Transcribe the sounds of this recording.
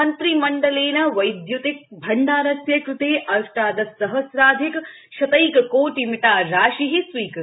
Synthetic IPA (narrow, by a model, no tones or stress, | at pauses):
ɐnt̪ɾimɐɳɖɐleːnɐʋɐjd̪jut̪ik̚bʱɐɳɖaːɾɐsjɐkɾut̪eːʔɐʂʈaːd̪ɐsɐɦɐsɾaːd̪ʱik | ʃɐt̪ɐjkɐkoːʈimiʈaːɾaːʃiɦisʋiːk